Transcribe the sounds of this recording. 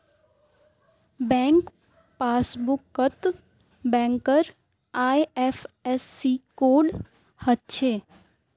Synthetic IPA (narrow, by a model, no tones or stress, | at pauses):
bɛ̃ŋk | pasbukːət̪ | bɛ̃ŋkəɾ | ajɛfɛsːikoɖ | hət̪̚t͡ʃʰe